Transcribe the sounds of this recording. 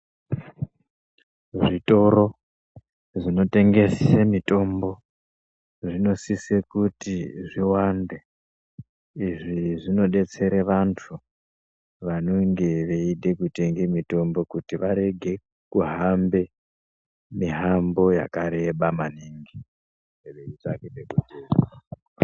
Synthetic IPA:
ʐito̞ɾo̞ | ʐino̞te̞ŋɡe̞sisemito̞mbo̞ | ʐino̞sisekutiʐiwande | iʐiʐino̞ɗe̞t͡se̞ɾeʋantʰu | ʋano̞ŋɡe̞ʋe̞iɗe̞kute̞ŋɡemito̞mbo̞kutiʋaɾe̞ɡʱe̞ | kuɦambe̞ | miɦambo̞ja̰kaɾe̞ɓamaniŋɡi | eʋeitakiɗekuteːra

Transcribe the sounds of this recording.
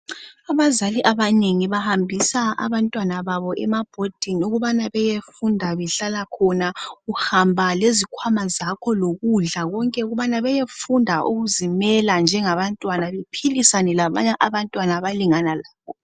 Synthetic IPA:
aβazaliʔaβaneŋiβahambʱisaa̰βantʼwanaβaβɔʔɛmab̥ʱod̥ʱinuɣuβanaβɛjefundʱaβɛɬalakʰɔnauhambʱalezikʰwamazakʰɔloɣuɮaɣɔŋkʼɛuɣuβanaβɛjefundʱaʔṵɣuzimɛland͡ʒʱɛŋaβantʼwanaβepʰilisanɛlaβa̰ɲaʔaβantʼwanaβaliŋanalaːkɔ

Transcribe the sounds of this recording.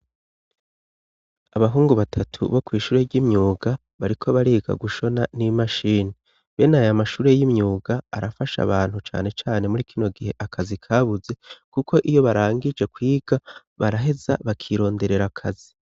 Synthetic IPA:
aβaɦuːŋɡuβatʰatʰṵβo̞kwiːʃuːɾe̞ɾɟimɲuːɡa | βaɾikʰo̞βaɾiːɡa̰ɡuʃo̞nanimaʃiːni | βe̞najamaʃuːɾe̞jimɲuːɡaːɾafaʃa̰βaːn̥hut͡ʃa̰ːne̞t͡ʃaːne̞muɾikʰino̞ɡihe̞ʔakʰazikʰaβuze̞kukʰo̞ʔijo̞βaɾaːŋɡid͡ʒe̞kwiːɡ̥a | βaɾaɦe̞za̰βakʰiɾo̞ːnde̞ɾe̞ɾakʰazi

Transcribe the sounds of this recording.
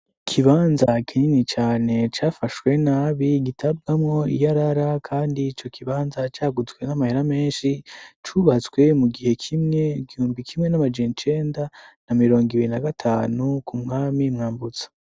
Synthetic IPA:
kʰiβaːnzakʰiɲinit͡ʃaːne̞t͡ʃaːfaʃwe̞naːβiɡitʰab̚ɡamŋo̞ḭjaɾaɾakʰaːndiːt͡ʃo̞kʰiβaːnzat͡ʃaːɡuzɡwe̞namaheɾame̞ːnʃit͡ʃuβat͡swe̞muɡihe̞kʰimŋeɡihuːnɡwikʰimŋe̞namad͡ʒenit͡ʃe̞ːndanamiɾo̞ːŋɡiβiɾinaɡatʰaːnukʰumŋaːmimŋaːmbut͡sḁ

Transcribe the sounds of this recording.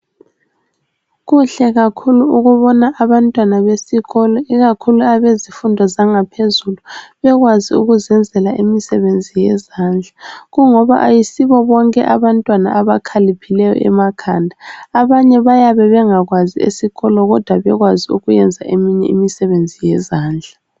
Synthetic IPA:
ɣuɬɛɣakʰuluuɣuβɔnaʔːβantʼwanaβesiɣɔlɔiɣakʰuluaβezifundʱɔzaŋapʰezuluβɛɣwaziuɣuzɛnd͡zʱɛlaʔimisɛβend͡zʱijɛzand͡ɮʱaɣuŋɔβa̰ʔajisiβɔβɔŋkʼɛ̰ʔaβantʼwana̰ʔaβakʰalipʰilɛjɔ̰ʔɛ̰makʰandʱaaβaɲɛβajaβɛβɛŋaɣwaziḛsiɣɔlɔɣɔd̥ʱwaβɛɣwaziṵɣujɛnd͡zʱaʔemiɲɛimisɛβend͡zʱijɛzaːnd͡ɮʱa

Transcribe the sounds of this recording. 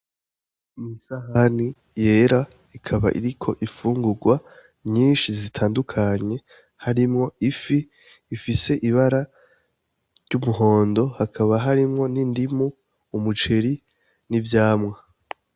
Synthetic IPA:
nisahani | je̞ːɾa | ikʰaβa̰ʔḭɾikʰo̞ʔifuːŋɡuɡwa | ɲiːnʃizitʰaːndukʰaɲe̞ | haɾimŋo̞ʔifiː | fise̞ʔiβaɾa | ɾɟumuɦo̞ːndo̞hakʰaβaɦaɾimŋo̞nindimuː | mut͡ʃe̞ɾi | nivjaːmŋa

